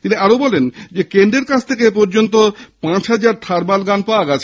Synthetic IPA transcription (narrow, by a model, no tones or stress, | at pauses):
t̪iniaɾobɔlend͡ʑekend̪ɾeɾkat͡ɕʰt̪ʰekepɔɾd͡ʑont̪opãt͡ɕɦad͡ʑaɾʈ̪ʰaɾbalɡanpawaɡɛt͡ɕʰe